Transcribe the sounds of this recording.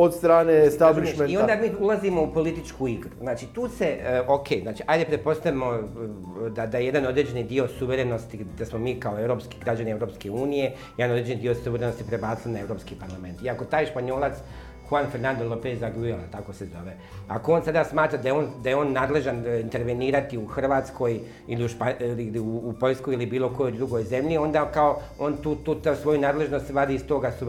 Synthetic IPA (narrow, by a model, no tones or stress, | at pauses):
od̪st̪ɾaːnest̪abliʃmeniod̪amiːulˠazimo̞upo̞lit̪it͡ʃkuiɡɾuznaːt͡ʃit̪uːse̞okʰeːznaːt͡ʃiajd̪epɾepo̞st̪aʋimo | d̪ad̪ajeje̞d̪anod̪ɾed͡ʑenid̪iːo̞suʋe̞ɾe̞nost̪id̪asmo̞miːkao̞e̞ʋɾoːpski̥ɡɾad͡ʒanieʋɾo̞ːpskeuːnije̞ | jed̪anoɾed͡ʒenid̪iossuʋe̞ɾeno̞st̪ipɾe̞baːt̪silinae̞ʋɾopskiːpaɾlˠame̞nt̪iako̞t̪aːjʃpaɲo̞ːlˠat̪s | xuanfeɾnand̪olopezaɡuelat̪ako̞se̞zo̞̰ʋe | a̰koo̞ːnsad̪asmaːt̪ɾad̪ajeoːnd̪ajeo̞ːnːaːd̪le̞ʒanint̪e̞ɾʋe̞niːɾat̪iuxrʋaːt̪sko̞j | iliuʃpaliuːpo̞ʎskojilibiːlˠo̞ko̞jo̞jd̪ɾuɡo̞jze̞mʎio̞nd̪akao̞ | o̞nt̪uːt̪uːt̪asʋo̞junaːd̪le̞ʒno̞st̪ɾaːd̪iist̪o̞ːɡasu